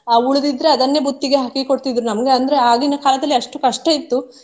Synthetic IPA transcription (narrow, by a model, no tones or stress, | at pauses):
aːuɭud̪id̪ɾe̞ɐd̪ɐnːe̞but̪ːiɡe̞ɦɐkiko̞ɽt̪id̪ɾunɐmɐɡe̞ɐnd̪ɐɾe̞aːɡinːɐkaːlɐd̪ɐlːiɐʂʈukɐʂʈɐit̪ːu